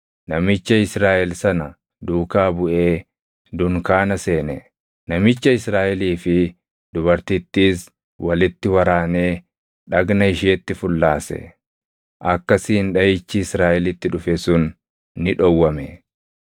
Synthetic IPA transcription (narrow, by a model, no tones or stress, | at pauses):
nɐmɪt͡ʃːɐɪsɾaːʔɛlsɐnɐ | d̪uːkaːbʊʔe̞ː | d̪ʊŋkaːnɐse̞ːnɛ | nɐmɪt͡ʃːɐɪsɾaːʔɛliːfɪ | d̪ʊbɐɾt̪ɪt̪ːiːs | wɐlɪt̪ːɪwɐɾaːneː | ᶑɐɡnɐɪʃeːt̪ːɪfʊlːaːsɛ̰ | ʔɐkːɐsɪːnᶑɐjɪt͡ʃːɪːsɾaːʔɛlɪt̪ːɪᶑʊfɛsʊnː | ɪᶑɔwːɐmɛ